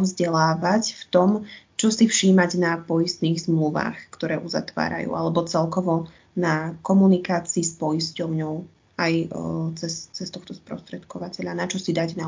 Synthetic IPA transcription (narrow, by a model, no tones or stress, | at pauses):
vzɟɛlaːʋacft̪ɔmt͡ʃɔsifʃiːmaɟnapɔjist̪niːɣzmluʋa̰ːxkt̪ɔɾɛːʔuza̰t̪ʋa̰ːɾa̰jṵːʔalɛbɔt͡sɛlkɔʋɔ | nakɔmunikaːt͡siːspɔjiscɔʊɲɔʊ | ajt͡sɛst͡sɛst̪ɔxt̪ɔspɾɔ̰st̪ɾɛt̪kɔʋacɛʎanat͡ʃɔsid̪aɟna